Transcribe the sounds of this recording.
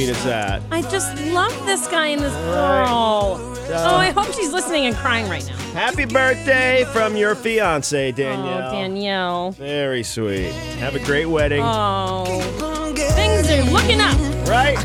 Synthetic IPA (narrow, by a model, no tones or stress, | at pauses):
iɾɨzðæ̰t̚aɪd͡ʒʌstˡlʌvðɪsɡ̥aɪɨ̃nðɪswɜlˠ | oʊaɪɦoʊpʃizlɪsnɪ̃ŋɨ̃nkʰɹ̥aɪɪ̃ŋɹaɪtⁿna̰ʊhæpibɜ˞θd̥eɪfɹʌ̃mjə˞fiɑ̃nseɪdæ̃njl̩ˠdæ̃njlˠvɛɹiswḭt̚ | hɨvɨɡɹeɪt̚wɛɾɪ̃ŋo | θɪ̃ŋzdʉlʊkɪ̃ŋʌp̚ɹaɪt̚